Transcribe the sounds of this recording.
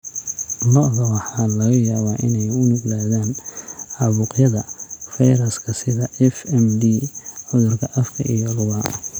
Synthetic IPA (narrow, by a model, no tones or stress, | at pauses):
lɔʔðɐwɑħɑːlɐɣɐjaːβaːʔɪ̰nɛjʊnʊɡlaːðaːnɑβʊqjɐðɐfɛjɾɐskʰɐsɪðɐʔɛfɛmd̪iːʕʊðʊrkʰɐʔɐfkʰɐ̰ʔḭjɔlʊβɐ